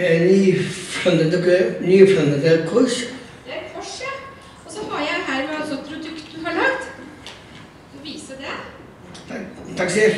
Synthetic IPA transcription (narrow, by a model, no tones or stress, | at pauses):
nyːfɔnd̪əd̪əknyːfɔnd̪əd̪əkʰɔʂ | d̪ɛæɾfʰɔʂɛ | ɔsɔhɑjæɪɦæːɾmɛɑsɔpʰɾʊd̪ʉkt̪̚d̪ʉɦɑɭɑɡt̪ | ɔʋiːsəd̪ɛ | t̪ʰɑkːsiəɾ